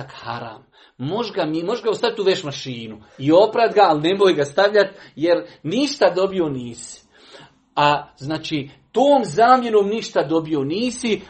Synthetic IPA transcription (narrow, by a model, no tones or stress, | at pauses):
akha̰ɾa̰ːmː | o̞ʒɡamimo̞ʒɡaust̪aʋit̪uʋeʃmaʃiːnu | io̞pɾad̪ɡaːline̞moːjɡast̪aʋʎat̪je̞ɾniʃt̪ad̪o̞bio̞niːsi̥ | aznaːt͡ʃiːt̪oːmzaːmje̞ɾoːmniʃt̪ad̪o̞bio̞niːsi